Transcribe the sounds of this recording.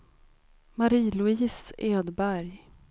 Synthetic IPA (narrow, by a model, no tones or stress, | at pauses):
maɾiːlɵiːseːd̪bæɾj